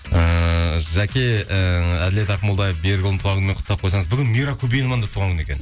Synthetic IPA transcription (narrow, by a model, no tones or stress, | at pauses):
əʒækʲe̞əæd̪ɪleɑɾqmolˠd̪ɑjefbeɾɡʲɪlˠnt̪ʰuɑɾʁənmeqʰʊt̪ːɑp̚qʰojsɑɴəzbʏɡʲɪnmijɾakʲʰɵbejnmɑnd̪ɑt̪ʰuʁɑŋkʲʰʏnekʲen